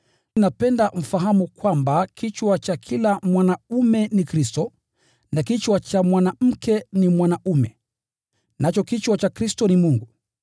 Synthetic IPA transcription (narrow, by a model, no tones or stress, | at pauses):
napɛndam̩faɦamukwambakʰit͡ʃwat͡ʃakʰilamwanaumɛnikɾistɔ | nakit͡ʃwat͡ʃamwanam̩kɛnimwanaʔumɛ | nat͡ʃɔkit͡ʃwat͡ʃakɾistɔnimuŋɡu